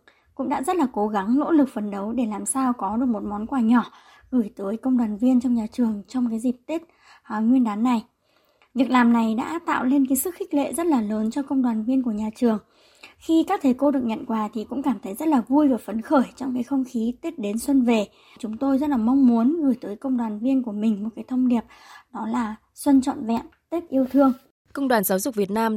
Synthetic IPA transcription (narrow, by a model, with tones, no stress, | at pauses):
kʊ̰˧˥ŋ͡mɗa̰ː˧˥zə˦˥t̚laː˨˩ko˨˦ɣa˨˦ŋlo̰˧˥lɨ˨˩k̚fə˨˩nɗə˨˦wɗe˧˩laː˨˩msaː˧wkɔ˨˦ɗɨ˨˩ək̚mo˨˩t̚mɔ˨˦nkwaː˧˩ɲɔ˧˩ | ɣɨ˧˩jt̪əː˨˦jkə˧wŋ͡mɗwaː˨˩nvi˧ənt͡ɕɔ˧wŋ͡mɲaː˨˩t͡ɕɨ˨˩əŋt͡ɕɔ˧wŋ͡mkaː˨˦jzi˨˩p̚t̪i˦˥t̚ | a˨˩ŋwi˧ənɗaː˨˦nːa˨˩j | vi˨˩ək̚laː˨˩mna˨˩jɗa̰ː˧˥t̪a̰ː˧˨wle˧nkaː˨˦jsɨ˦˥kxi˦˥k̚lḛ˧˨zə˦˥t̚laː˨˩ləː˨˦nt͡ɕɔ˧kə˧wŋ͡mɗwaː˨˩nvi˧ənku˧˩ɲaː˨˩t͡ɕɨ˨˩əŋ | xi˧kaː˦˥k̚t̪ʰə˨˩˦jko˧ɗɨ˨˩ək̚ɲə̰˧˨nkwaː˨˩˦t̪ʰi˨˩kʊ̰˧˥ŋ͡mkaː˧˩mt̪ʰə˨˦jzə˦˥t̚laː˨˩vu˧jvaː˨˩fə˨˦nxəː˧˩jt͡ɕɔ˧wŋ͡mkaː˨˦jxə˧wŋ͡mxi˨˦t̪i˦˥t̚ɗe˨˦nswə˧nve˨˩ | t͡ɕʊ˨˦ŋ͡mt̪o˧jzə˦˥t̚laː˨˩ma˧wŋ͡mmu˨˦ənɣɨ˧˩jt̪əː˨˦jkə˧wŋ͡mɗwaː˨˩nvi˧ənku˧˩əmï˨˩ŋ̟mo˨˩t̚kaː˨˦jt̪ʰə˧wŋ͡mɗi˨˩əp̚ | ɗɔ˨˦laː˨˩ | swə˧nt͡ɕɔ̰˧˨nvɛ̰˧˨mt̪e˦˥t̚ʔi˧əwt̪ʰɨ˧əŋ | kə˧wŋ͡mɗwaː˨˩nzaː˨˦wzʊ˨˩k͡p̚vi˨˩ət̚naː˧m